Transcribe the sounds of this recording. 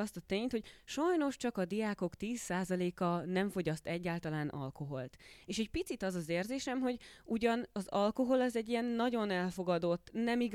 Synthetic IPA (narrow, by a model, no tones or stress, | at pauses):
ɒst̪ɒt̪eːɲt̪ho̞ɟ̥̚ʃɒjno̞ʃt͡ʃɒkɒd̪iaːko̞kt̪iːsːaːzɒleːkɒnɛɱfo̞ɟɒst̪ɛɟːaːlt̪ɒlaːnʔɒ̰lko̞ɦo̞lt̪eːʃɛɟ̚pit̪sit̪ɒzɒzeːrzeːʃɛmɦo̞ɟuɟɒnɒzɒlko̞ɦo̞lɒzɛɟːijɛnːɒɟo̞nɛlfo̞ɡɒd̪o̞t̪ːnɛmiɡ